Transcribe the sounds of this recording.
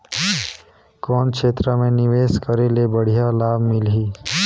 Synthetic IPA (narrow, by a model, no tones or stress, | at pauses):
kɔːnkʃeːt̪ɾəmẽnɪʋeːskəɾelebəɽ̤ijalaːbʱmɪlɦiː